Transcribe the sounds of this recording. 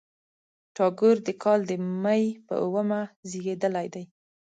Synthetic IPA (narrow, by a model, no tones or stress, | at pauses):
ʈɑɡuɾd̪əkʰɑld̪əmajpə̰ʔʊwəmaziɡed̪əlajd̪aj